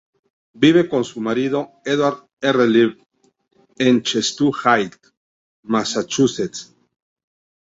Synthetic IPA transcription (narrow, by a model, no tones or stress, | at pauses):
biβe̞ko̞nsumaɾiðo̞ | eðwaɾð | ereliβ | ent͡ʃest̪uxajt̪ | masat͡ʃuset͡s